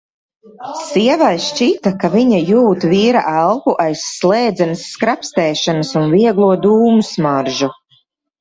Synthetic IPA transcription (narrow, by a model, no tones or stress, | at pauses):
siɛvajʃʃt͡ʃit̪akaviɲajuːt̪viːɾa̰ʔælˠkuʔajsːlˠɛːd̪zɛnɨsːkɾapst̪ɛːʃanəsunviɛɡlˠuɔd̪uːmusmaɾʒu